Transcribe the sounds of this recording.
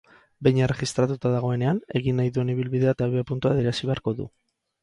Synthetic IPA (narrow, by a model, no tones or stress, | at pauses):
bejɲere̞ɣist̪ɾat̪ut̪aðaɣ̞o̞e̞ne̞ane̞ɣinːajðue̞niβ̞ilβiðe̞at̪aβeapunt̪uaðeɾasiβe̞aɾko̞ðṵ